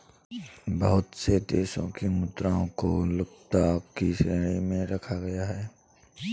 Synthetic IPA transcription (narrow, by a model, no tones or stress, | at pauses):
bɐɦʊt̪sed̪eːsõ̰kimʊd̪ɾaːõko̰lʊk̚t̪aːkkiʃɾeːɽ̃imẽɾɐkʰaɡɐjaɦɛː